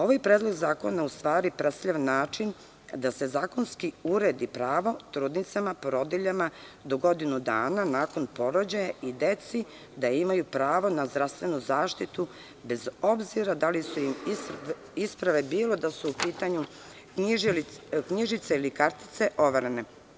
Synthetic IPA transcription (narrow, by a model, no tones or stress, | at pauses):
o̞ʋajpɾeːd̪lˠo̞ɡzaːko̞naust̪ʋaːɾipɾesʎaʋnːaːt͡ʃin | d̪ase̞zaːko̞nskiuɾed̪ipɾaːʋo̞t̪ɾuːd̪nit̪samapoɾo̞d̪iʎama | d̪o̞ɡo̞d̪inud̪a̰ːnanaːko̞npo̞ɾo̞d͡ʑajaʔid̪et̪si | d̪aimajupɾaːʋo̞nazd̪ɾast̪ʋe̞nuzaːʃt̪it̪u | be̞zo̞bziɾad̪alisuimi | ispɾaʋe̞biːlo̞d̪asuupiːt̪aɲu | kɲiʒit̪seilikaɾt̪i̥t̪se̞ʔo̞ʋaɾene